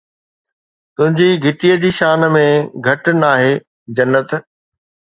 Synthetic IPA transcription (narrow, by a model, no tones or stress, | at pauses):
t̪ʊ̃ɦɪ̃ɲd͡ʑiɡʱɪʈiːəd͡ʑiːʃaːnəmẽɡʱɐʈnaːɦeː | d͡ʑɐnːət̪